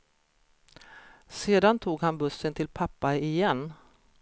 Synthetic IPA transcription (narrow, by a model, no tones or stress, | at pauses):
seːd̪ant̪ʰuːɡhanbɵsːənt̪ʰɪlpʰapːaɪjɛnː